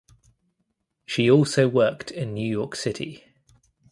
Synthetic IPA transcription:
ʃiɔˑlˠsəʊwɜˑktʰɪ̃nːjʉːjɔˑksɪtʰḭ

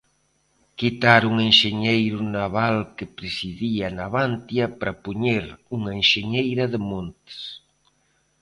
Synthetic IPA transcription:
kit̪aɾuŋenʃeɲejɾʊnaβalkepɾesiðianaβant̪jɐpɾapuɲeɾuŋɐenʃeɲejɾɐðɪmont̪ɪ̥s

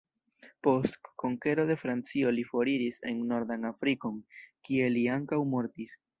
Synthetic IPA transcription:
po̞stko̞ŋke̞ɾo̞de̞fɾant͡sio̞lifo̞ɾiɾise̞̰nːo̞ɾd̪anafɾiko̞nkie̞liaŋkawmo̞ɾtis

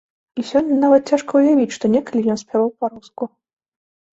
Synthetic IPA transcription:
isʲɔnʲːɐnavɐt̪̚t͡sʲaʂkɐwjavʲit͡sʲʂt̪ɔnʲɛkɐlʲijɔnsʲpʲavawpaɾusku

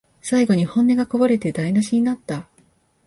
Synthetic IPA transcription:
saiɡo̞ɲ̟ihõ̞nːe̞ɡako̞baɾe̞t̪e̞d̪ainaɕiɲ̟inat̪ːa

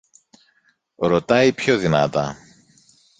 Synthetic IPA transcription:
ɾo̞t̪ɐipçoðinɐ̰t̪ɐ

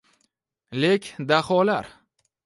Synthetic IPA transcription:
lekʲd̪aχɒlaɾ

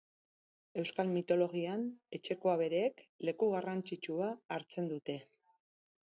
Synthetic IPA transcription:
e̞wskalmit̪o̞lo̞ɣ̞iane̞t͡ʃe̞ko̞aβe̞ɾeːkle̞kuɣarant͡sit͡ʃuaːɾt͡se̞nd̪ut̪e̞

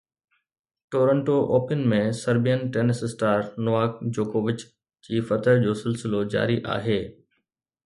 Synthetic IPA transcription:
ʈoːɾə̃ɳʈoʔoːpɪnmẽsɐɾbijənʈeːnɪsɪsʈaːɾnʊʋaːkd͡ʑoːkoːʋɪt͡ɕ | d͡ʑiːfɐt̪əɾd͡ʑoːsɪlsɪlod͡ʑa̰ːɾiʔa̰ːɦeː

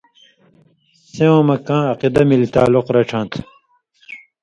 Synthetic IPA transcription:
sẽõːmɐkãːɐqid̪ɐmilit̪aːluqɾɐʈ͡ʂʰãːnt̪ʰ

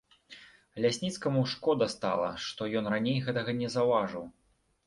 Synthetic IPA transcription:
lʲasʲnʲit̪skɐmuwʂkɔd̪ɐst̪a̰lˠɐ̰ʂt̪ɔjɔnranʲejɣɛt̪ɐɣɐnʲɛzɐwvaʐɨw

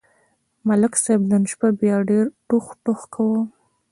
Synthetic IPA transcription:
malɪksajbd̪ənʃbabjɑɖeɾʈuxʈoxkʰawə

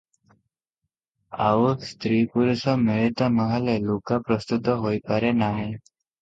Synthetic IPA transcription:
a̰ʋust̪ɾipuɾusɔmeɭit̪əməɦalelokapɾəst̪ut̪ɔɦojpaɾenaɦe

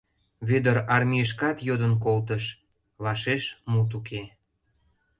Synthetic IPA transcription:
βød̪əɾɑrmʲiəʃ̬kɑt̪jod̪ənk̬olt̪əʃ | βɑʃeʃmut̪̬ukʰe

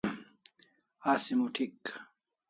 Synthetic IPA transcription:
aːsimuʈʰik

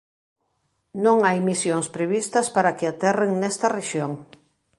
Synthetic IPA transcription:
nõŋajmisjoŋspɾeβist̪ɐspaɾɐkɪat̪ɛreŋnɛst̪ɐreʃjoŋ

